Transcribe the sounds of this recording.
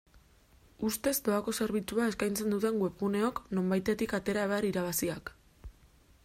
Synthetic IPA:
ust̪e̞zd̪o̞ako̞se̞ɾβ̞it͡suaeskajnt͡se̞nd̪ut̪e̞ŋɡwe̞βɣune̞o̞kno̞mbajt̪e̞t̪ikat̪e̞ɾaeβaɾiɾaβ̞asiak

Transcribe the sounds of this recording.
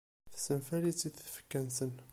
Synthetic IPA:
θsəmfælit͡sːiθfə̥kːænsən

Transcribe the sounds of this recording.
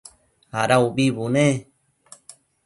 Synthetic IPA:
haɾauβiβunẽ

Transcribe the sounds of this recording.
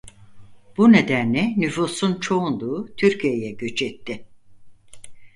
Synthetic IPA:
b̥uned̪ænlʲɛnyfuːsunt͡ʃʰo̞und̪uːt̪ʰyɾcʰijejɛɟø̞t͡ʃʰɛt̪ʰːɪ

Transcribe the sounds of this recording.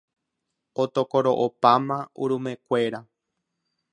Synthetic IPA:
ot̪okoɾoʔopamãṵɾumẽkʷe̞ɾa

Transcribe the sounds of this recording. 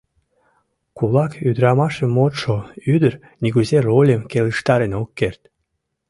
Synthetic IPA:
kulɑkyd̪ɾɑmɑʃemːot̪ʃoyd̪ər | niɣuzerolʲemkeləʃt̪ɑɾenokːert̪

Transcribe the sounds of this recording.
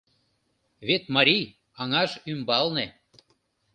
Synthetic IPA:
βet̪mɑɾʲij | ɑŋɑʒymbɑlne

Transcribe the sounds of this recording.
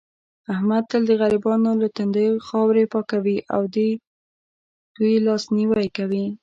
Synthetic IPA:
ahmad̪̚t̪əld̪əɣaɾibɑnolat̪and̪əjxɑwɾepɑkawiʔa̰wd̪i | d̪̥ujlɑsniwajkawi

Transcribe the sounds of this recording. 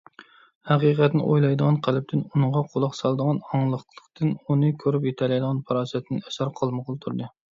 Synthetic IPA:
hæqiqʰɛt̪nɪ̰ʔojlˠɑjd̪əʁɑnqʰælɪp̚t̪ʰɪnunɨɴʁɑqʰolˠɑqsɑlˠd̪əʁɑnɑŋlˠəχlˠəqt̪ʰɨnunɨkʲʰøɾypjet̪ʰɛlɛjd̪əʁɑnpʰɑɾɑːsɛt̪ʰnɪnɛsɑɾqʰɑlˠməqʰəlˠt̪ʰuɾd̪ɨ

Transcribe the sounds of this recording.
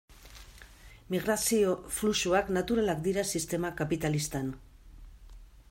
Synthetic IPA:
miɣ̞ɾasio̞flusuaknat̪uɾalakd̪iɾasist̪e̞makapit̪alist̪an

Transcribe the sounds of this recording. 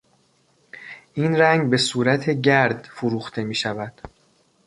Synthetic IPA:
ʔiːnɾæŋɡbe̞suːɾæt̪ʰe̞ɟæɾd̪̥foɾuːxt̪ʰe̞miːʃævæd̪̥

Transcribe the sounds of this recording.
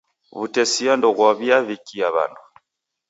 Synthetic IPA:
βutɛsiandɔɣwaβiaβikiaβa̰nu

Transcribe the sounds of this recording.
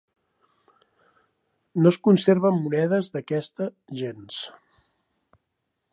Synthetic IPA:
noskunseɾβəmːunɛðəzðəkɛst̪əʒens

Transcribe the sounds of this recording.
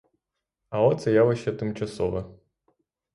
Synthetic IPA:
ɐɔt̪sɛjaʋɐʃɛt̪ɪmt͡ʃɐsɔʋɐ

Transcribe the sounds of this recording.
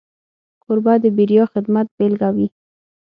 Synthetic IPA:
kʊɾbɑd̪əbiɾjɑxɪd̪mat̪̚belɡawi

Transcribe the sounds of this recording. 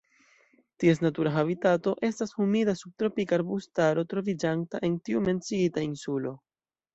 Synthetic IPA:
tie̞s̬natuɾaɦaβitato̞ʔe̞stashumidasub̚tɾo̞pikaɾbustaɾo̞tɾo̞vid͡ʒantaʔe̞ntiume̞nt͡siitainsulo̞

